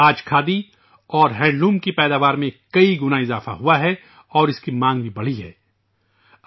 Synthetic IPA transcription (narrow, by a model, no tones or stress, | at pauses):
aːd͡ʒkʰaːd̪i | ɔːɾɦɛ̃ːɳɖlũːmkipɛːd̪aːʋaːɾmẽkɐiɡʊnaɪzaːfa̰ɦuaɦɛ | ɔːɾɪskimãːŋɡbʱibɐɽ̤iɦɛ̰ː